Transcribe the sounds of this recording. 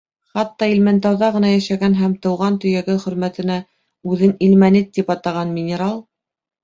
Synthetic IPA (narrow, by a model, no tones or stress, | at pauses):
χɑt̪ːɑilmænt̪æwðɑʁɤ̆nɑjæʃæɡænɦæmt̪ɤ̆wʁɑnt̪ɵ̆jæɡɘχɵ̆ɾmæt̪ɘ̆næ | ʉðɘnilmænɘt̪ːipɑt̪ɑʁɑnmʲɪnʲeɾɑlˠ